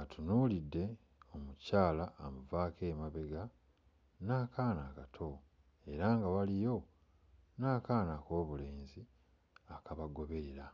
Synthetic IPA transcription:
atʰunuːlidːe̞ | o̞mucaːlaːmuvaːkeːmaβe̞ɡa | naːkʰaːnakatʰo̞ | e̞ɾaŋɡawalijo̞ | naːkaːnako̞ːβule̞ːnzi | akaβaɡo̞βe̞ɾa

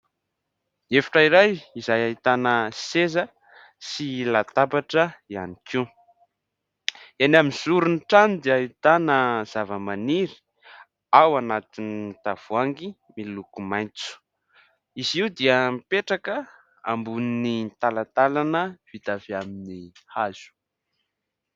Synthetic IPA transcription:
efḁʈ͡ʂaiɾajizajait̪anəsezə | silat̪apaʈ͡ʂəia̰niki | anaminzuɾunʈ͡ʂanid̪iait̪anəz̥avəmaniɾi̥ | awanat̪iniit̪av̥uaŋɡi | milukumajnt͡su̥ | iziwd̪iəmpeʈ͡ʂakə | a̰mbuninit̪alat̪alanəv̥it̪aviaminihaz̥u̥

